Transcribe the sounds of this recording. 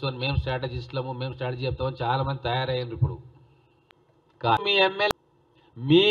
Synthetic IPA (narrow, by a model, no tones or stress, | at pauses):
t̪uanime̞ːmsʈɾaːʈ̬ed͡ʒisʈlɐmume̞ːmsʈɾaːʈed͡ʒiːt͡ʃɛp̚t̪aːmɐnt͡ʃaːlaːmɐnd̪it̪ɐjaːɾɐjɐnruipːuɽṵ | kaːmiːemːe | miː